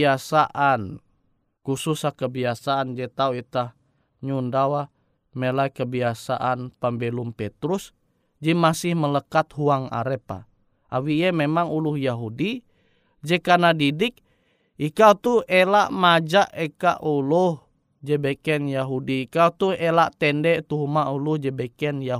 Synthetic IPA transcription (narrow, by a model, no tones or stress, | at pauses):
asaʔan | kususakəbiasaand͡ʒɛt̪auit̪ah | ɲundawa | melaikəbiasa̰ʔanpambɛlumpɛt̪ɾus | d͡ʒimasɪhmələkat̪huaŋa̰ɾɛpa̰ | ʔa̰wiːɛmemaŋuluhjaɦudi | d͡ʒɛkanadidɪk̚ | ikawt̪uelaʔmad͡ʒaʔeka̰ʔuluh | d͡ʒɛbɛkɛnjaɦudiːkawt̪uhelaʔt̪ɛndɛʔt̪uɦumaʔuluhd͡ʒɛbɛkɛnja